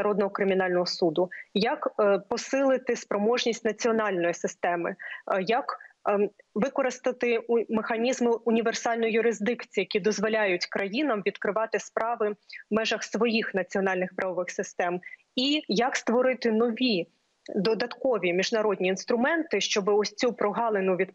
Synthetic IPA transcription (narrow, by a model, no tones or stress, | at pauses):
ɐɾɔd̪nɔɦɔkɾɪmʲinɑlʲnɔɦɔsud̪ʊjɐkpɔsɪlˠɪt̪ɪspɾɔmɔʒnʲisʲtʲnɐt͡sʲiɔnɑlʲnɔjisɪst̪ɛmɪjɐk | ʋɪkɔɾɪst̪ɐt̪ɪmexɐnʲizmɪʊnʲiʋersɑlʲnʊjʊjʊɾɪzd̪ɪkt͡sʲiːjɐkʲid̪ɔzʋɔlʲajʊtʲkɾʔɐjinɐmʋʲid̪kɾɪʋɑt̪ɪspɾɑʋɪmɛʒɐxsʋɔjixnɐt͡sʲiɔnɑlʲnɪxpɾɐʋɔʋɪxsɪst̪ɛm | ijɐkst̪ʋɔɾɪt̪ɪnɔʋʲi | d̪ɔd̪ɐt̪kɔʋʲimʲiʒnɐɾɔd̪ʲnʲiːnst̪ɾʊmɛnt̪ɪʃt͡ʃɔbɪɔsʲt͡sʲupɾɔɦɑlˠenʊʋʲid̪